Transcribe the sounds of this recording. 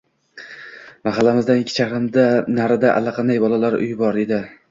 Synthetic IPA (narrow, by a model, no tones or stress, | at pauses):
maɦalːamɪzd̪anɪkʲʰːɪt͡ʃʰaɾɪmd̪anaɾɪd̪aʔa̰lːaqʰɑnd̪ajbɒlˠalaɾʊ̰jbɒɾd̪ed̪ɪ